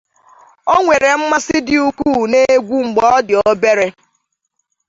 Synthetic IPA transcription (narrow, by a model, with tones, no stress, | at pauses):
o˦ŋʷe˨ɾe˨m̩˦ma˦sɪ˦dɪ˨u˨ku˦˨ne˦ɡʷu˦ŋ͡m̩˨ɡ͡bɔ˦ɔ˦dɪ˨o˦be˦ɾe˦